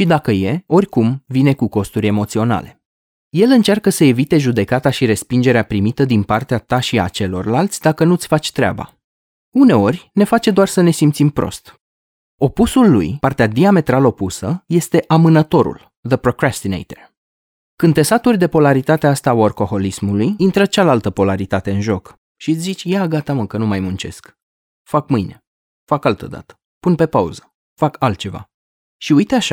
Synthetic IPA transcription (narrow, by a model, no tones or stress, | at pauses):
ʃid̪akəje̞o̞rʲkumvine̞kuko̞st̪uɾʲe̞mo̞t̪sio̞na̰le̞ | je̞lɨnt͡ʃarkəsəe̞vit̪e̞ʒud̪e̞kat̪aʃiɾe̞spind͡ʒe̞ɾeapɾimit̪əd̪inpart̪eat̪aʃia̰t͡ʃe̞lo̞̰rlalt̪sʲd̪akənut̪sʲfat͡ʃʲt̪ɾʲea̰ba̰ | une̞o̞rʲne̞fat͡ʃe̞d̪oarsəne̞simpt̪simpɾo̰st̪ | o̞pusulːṵjpart̪ead̪iame̞t̪ɾalo̞pusəje̞st̪e̞ʔamɨnət̪o̞ɾṵl | ðəpɾo̞kɾast̪inḛjt̪er | kɨne̞sat̪urʲd̪e̞po̞laɾit̪at̪east̪aaarko̞ho̞lismulujint̪ɾət͡ʃalalt̪əpo̞laɾit̪at̪e̞ɨnʒo̞k | ʃizit͡ʃʲjaɡat̪aməkənumajmunt͡ʃe̞̰sk | fakmɨjne̞ | fakalt̪ə̰d̪a̰t̪ə̥ | punpe̞paṵzə | fakalt̪̚t͡ʃe̞va̰ | ʃiujt̪eaʃa̰